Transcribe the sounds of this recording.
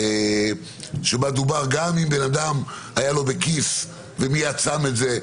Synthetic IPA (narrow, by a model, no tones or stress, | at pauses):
e | ʃebad̪ubaʁɡamimbenad̪am | ajalo̞bekis | vemijat͡same̞tze̞